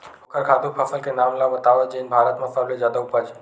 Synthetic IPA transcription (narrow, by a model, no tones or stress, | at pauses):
okəɾkʰaːd̪uɾpʰəsəlkenamlamət̪aʋəd͡ʒenbʱaːɾət̪mãsalled͡ʒjad̪aupət͡ʃʰe